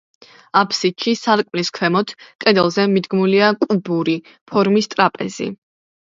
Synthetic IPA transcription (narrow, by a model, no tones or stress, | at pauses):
apʰsit̪ʃisaɾkʼmliskʰwɛmɔt̪ʰkʼɛd̪ɛlˠzɛmid̪ɡmuliakʼubuɾi | pʰɔɾmist̪ʼɾapʼɛ̰zḭ